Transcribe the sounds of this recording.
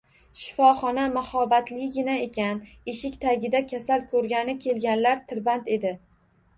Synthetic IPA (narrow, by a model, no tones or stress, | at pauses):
ʃɪ̥fɒχɒnamahɒbat̪lɪɡʲɪnae̞kʲan | eʃɪkʲt̪ʰaɡʲɪd̪akʲʰasalkʰɵɾɡʲanɪkʲʰe̞lɡʲanlaɾt̪ʰɪɾbant̪e̞d̪ɪ